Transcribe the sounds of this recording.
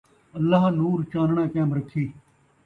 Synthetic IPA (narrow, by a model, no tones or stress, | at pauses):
əlːaːɦnuːɾt͡ʃãːnɳãːkɛ̃ːmɾəkʰːiː